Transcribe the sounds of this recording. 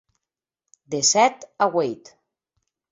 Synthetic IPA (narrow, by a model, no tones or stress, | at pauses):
d̪esɛt̪aɣwejt̪